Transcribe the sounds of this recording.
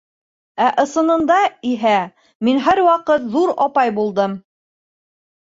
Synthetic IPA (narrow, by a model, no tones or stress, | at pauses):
æʔɤ̆sɤ̆nɤ̆nd̪ɑiɦæ | minɦæɾwɑqɤt̪ðuɾɑpɑjbulˠd̪ɤm